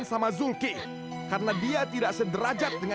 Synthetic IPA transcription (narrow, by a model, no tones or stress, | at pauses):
nsamazulkɪ | kaɾənadiat̪idaʔsədəɾad͡ʒat̪̚dəŋa